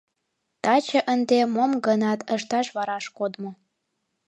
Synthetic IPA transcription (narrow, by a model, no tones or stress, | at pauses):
t̪ɑt͡ɕə̆ʔənd̪emomɡənɑt̪ʰəʃt̪ɑʃβɑɾɑʃkod̪mo